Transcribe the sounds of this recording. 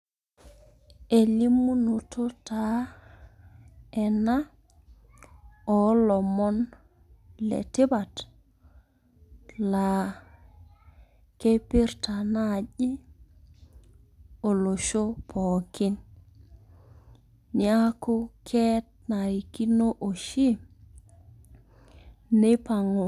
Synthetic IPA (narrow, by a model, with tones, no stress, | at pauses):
e˨li˦mːu˦no˨to˦ta˨ | e˨na˦ | o˨lɔ˨mɔ˦n | lḛ˨ti˦ba˨t | la˨ | ke˦pi˦ɾta˨na˦˨ʄi˦ | o˨lo˨ʃo˦pʰo˨ki˦n | ni˨a˦ko˦kʰe˦t̚ | na˨ɾi˨ki˦no˦ʔo˨ʃi˦ | ne˦pa˨ŋo˨